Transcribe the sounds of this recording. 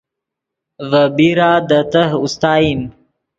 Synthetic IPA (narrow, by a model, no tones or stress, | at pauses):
vəbiɾaːd̪ət̪əɦust̪ɑːim